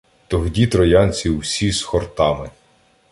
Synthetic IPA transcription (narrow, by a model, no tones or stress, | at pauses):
t̪ɔɦdʲit̪ɾɔjɑnʲt͡sʲiwsʲisxɔrt̪ɑmɪ